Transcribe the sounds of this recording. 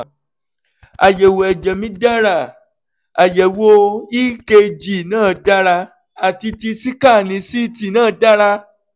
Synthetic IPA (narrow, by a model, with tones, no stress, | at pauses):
a˨jɛ˨wo˨ɛ˨d͡ʒɛ˨mĩ˦da˦ɾa˦˨ | a˨jɛ˨wo˧i˦ke˧d͡ʒi˨nãː˦˨da˦ɾa˧ | a˨ti˧ti˧si˦ka˦˨nĩ˨˧˦si˦˨ti˧˨nãː˦˨da˦ɾa˧